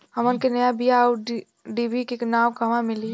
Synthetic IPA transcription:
ɦɐmʊnkenɐjabijau | ɖibikeknaːmkɐʋãmɪli

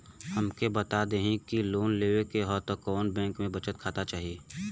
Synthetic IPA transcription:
həmkebət̪ad̪eɦĩkiloːnleːwekeɦɔːt̪okɔːnbɛ̃ːŋkmẽbət͡ʃət̪̚kʰaːt̪at͡ʃaːɦieː

